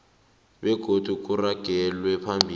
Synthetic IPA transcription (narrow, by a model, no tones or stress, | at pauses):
ɓɛɡ̥ʱod̥ʱuk̬ʼuraɡ̥ʱɛlwɛpʰambʱiː